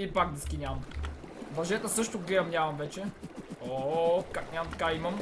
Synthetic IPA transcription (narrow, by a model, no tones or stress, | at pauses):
ipaɡ̚d̪ɛskʲinʲamɐ | bɐʒɛt̪əsɤʃt̪oɡlɛɐmnʲamɐmvɛt͡ʃɛokaknʲjamɐmt̪ɐ̥kaimɐm